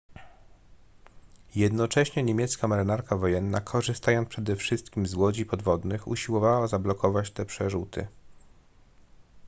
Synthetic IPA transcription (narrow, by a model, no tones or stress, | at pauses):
jɛd̪nɔt͡ʂɛɕɲɛɲemʲjɛt̪skamɛɾɘnaɾkavɔjɛnːakʰɔʐɘst̪ajɔnpʂɛd̪ɛfʂɘst̪kʲimzwɔd͡ʑipɔd̪vɔd̪nɘxṵɕiwɔvawazablɔkɔvat͡ɕt̪ɛpʂɛʐut̪ɘ̰